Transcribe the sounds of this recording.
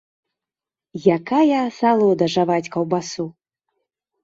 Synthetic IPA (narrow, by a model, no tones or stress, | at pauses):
jakajɐsalˠɔd̪ɐʐavat͡sʲkɐwbasu